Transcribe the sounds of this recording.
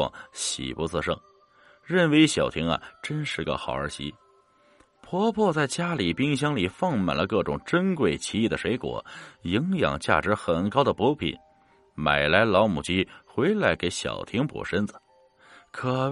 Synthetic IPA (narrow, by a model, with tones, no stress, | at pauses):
ɑ̰˨˩ŋɕḭ˨˩pu˧˥t͡sʰɹ̩˥˧ʂɤ˥˩ŋ | ɻə˥˩nwe˧˥ɪɕjɑ˨˩ʊt̪ʰi˧˥ŋɐ̰˨ʈ͡ʂə˥nʂɻ̩˥˩ɡə̰˧xɑ˨˩ʊə˞˧˥ɕḭ˧˥ | pʰwɔ˥pʰwɔ˥˧t͡sa˥˩ɪt͡ɕja˥li˨˩pi˥ŋɕ̬jɑ˥ŋli˨˩fɑ˥˧˩ŋma˨˩nlə˦kɤ˥˩ʈ͡ʂʊ˨˩ŋʈ͡ʂə˥nkwe˨˩ɪt͡ɕʰi˧˥i˥˩d̪ə˩ʂwe˧˥ɪkwɔ̰˨˩˦ji˧˥ŋjɑ̰˨˩ŋt͡ɕja̰˥˩ʈ͡ʂɻ̩˧˥xə˨˩nkɑ˥ʊd̪ə˨pwɔ˧˥pʰḭ˨˩˦n | ma˨˩ɪla˧˥ɪlɑ˧˥ʊmṵ˨˩t͡ɕi˥xwe˧˥ɪla˧˥ɪke˧˥ɪɕjɑ̰˨˩ʊt̪ʰi˥ŋpɔ̰˨˩ʂə˥nd͡zɹ̩˩ | kʰɤ˨˩